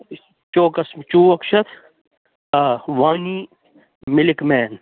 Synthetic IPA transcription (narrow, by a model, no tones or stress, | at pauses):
t͡ʃoːkɐsmt͡ʃuːɐkʃɐt̪ʰ | ʋaːniː | mɪlɪkmɛːn